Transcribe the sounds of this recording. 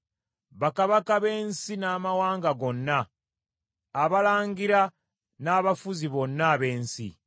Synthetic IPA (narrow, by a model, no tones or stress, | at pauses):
βakaβakaβe̞ːnsinaːmawaːŋɡaɡo̞nːa | βalaːŋɡiɾa | naːβafuziβo̞nːaβe̞ːnsḭ